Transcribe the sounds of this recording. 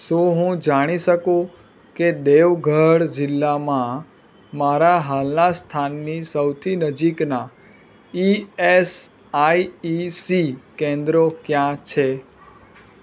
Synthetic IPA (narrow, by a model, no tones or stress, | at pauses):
soɦũd͡ʒaɽ̃iʃəkõ | ked̪eʋɡʱəɽd͡ʒɪlːamã | maɾaɦalnast̪ʰanːisəwt̪ʰinəd͡ʒikna | ies | aiisikẽnd̪ɾokjãt͡ʃʰe